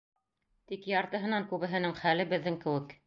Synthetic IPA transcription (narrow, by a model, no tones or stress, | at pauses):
t̪ikjɑɾt̪ɤ̆ɦɤ̆nɑŋkʉβɘ̆ɦɘ̆nɘŋχælɘbɘ̆ðːɘŋkɘ̆wɘk